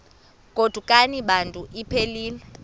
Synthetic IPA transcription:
kʼod̥ʱukʼaniɓantʼuʔipʰeliːlɛ

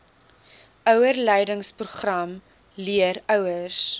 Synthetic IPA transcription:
ʔœwərlɛjdəŋspruχrɐm | liəɾœwərs

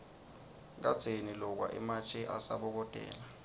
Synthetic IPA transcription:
k̬ad̥z̥ʱenilɔk̬wa̰ʔɛ̰mat͡ʃʰʼɛʔasaɓɔk̬ɔd̥ʱɛ̰ːla

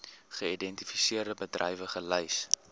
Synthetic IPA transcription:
χəidɛntifisiərdəbədrɛ̰jvəχələjs

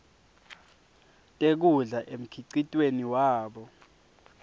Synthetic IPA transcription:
tʼek̬uɮaʔem̩kʰiǀitʼweniwaːɓɔ

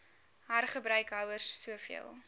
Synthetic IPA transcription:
ɦɐrχəbɾœɥkɦɐwərsːuəfḭəlˠ

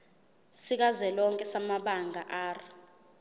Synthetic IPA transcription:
sik̬azɛlɔŋkʼɛsamaɓaŋʱaʔaːri

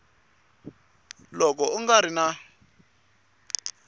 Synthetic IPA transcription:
lɔk̬ɔuŋɡaɾina

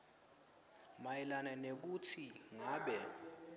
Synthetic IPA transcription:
majɛlananek̬utʰiŋaːɓɛ

